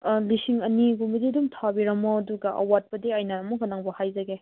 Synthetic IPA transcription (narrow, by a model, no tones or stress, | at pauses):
lisiŋɐniɡumididumtʰabiɾɐmoɐduɡɐʔɐ̰wat̚pɐdiɐjnaːmukʰɐnaŋbɐhajzɐɡe